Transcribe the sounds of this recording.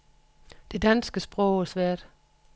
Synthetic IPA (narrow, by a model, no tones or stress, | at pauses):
d̥e̝d̥ænsɡ̥əsb̥ʁɔʊæsʋæɐ̰d̥